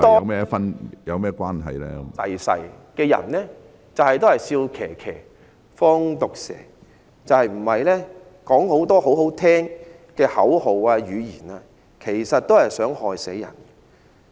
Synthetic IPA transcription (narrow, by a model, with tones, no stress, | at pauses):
t̪ɔː˥mɛː˥fɐ˥njɐ˨˧wmɛː˥kʷwaː˥nɦɐ̰˨jlɛ̰ː˧ɐ̰˨˩jsɐ̰˨˩jkɛː˧jɐ̰˨˩nlɛː˥ | t͡sɐ˨whɐ˨jt̪o˥whɐ˨jsiː˧wkʰɛː˨˩kʰɛ̰ː˨˩ | fɔː˥ŋt̪ʊ˨k̚sɛ̰ː˨˩ | t͡sɐ˨˧whɐ˨jm̩˨˩hɐ˨jlɛː˥ | kɔː˨˥ŋho˨˥wt̪ɔː˥ɦo˨˥wɦo˨˥wt̪ʰɛː˥ŋ | kɛː˧hɐ˨˥who˨waː˧jyː˨˧jiː˨˩naː˧ | kʰe˨˩jsɐ˨t̚t̪ːo˥whɐ˨jsœː˨˥ŋhɔː˨jse˨˥jɐ̰˨˩n